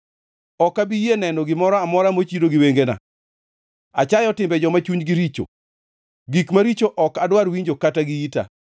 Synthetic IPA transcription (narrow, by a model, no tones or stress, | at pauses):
ɔkabijenɛnɔɡɪmɔɾɔamɔɾamot͡ʃiɾoɡɪweŋɡena̰ | a̰t͡ʃajɔtɪmbɛd͡ʒɔmat͡ʃuɲɡiɾit͡ʃo̰ | ɡikmaɾit͡ʃoʔɔkadwaɾwiɲd͡ʒokataɡiita̰